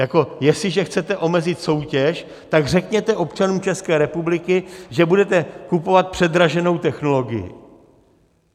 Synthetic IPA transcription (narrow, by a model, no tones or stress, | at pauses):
jako̞jɛslɪʒɛxt͡sɛt̪ɛʔo̞mɛzɪt̪so̞wcɛʃ | t̪aɡrɛkɲɛt̪ɛʔo̞pt͡ʃanuːmt͡ʃɛskɛːɾɛpublɪkɪʒɛbudɛt̪ɛkupo̞vat̪̚pr̝̥ɛd̪ɾaʒɛno̞wt̪ɛxno̞lo̞ɡɪ̰jɪ̰